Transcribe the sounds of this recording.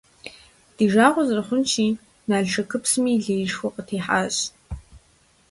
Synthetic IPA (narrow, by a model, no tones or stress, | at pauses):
d̥iʒaːʁʷʊzrɐχʷʊnt͡ʃʰiː | naːɮʈ͡ʂʰɐkʰɨpʰsɨmiːɮejʂxʷʊqʼətʰeːħaːɕ